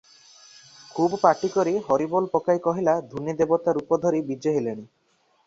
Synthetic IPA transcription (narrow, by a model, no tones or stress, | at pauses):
kʰubɔpaʈikɔɾiɦɔɾibɔlpɔkajkɔɦilad̪ʱunid̪ebɔt̪aɾupɔd̪ʱɔɾibid͡ʒeɦeleɽ̃i